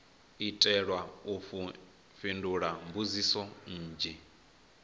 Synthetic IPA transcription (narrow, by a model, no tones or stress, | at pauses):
itʼɛɺwaufu | finduɺambuzisɔn̩ːd͡ʒɛ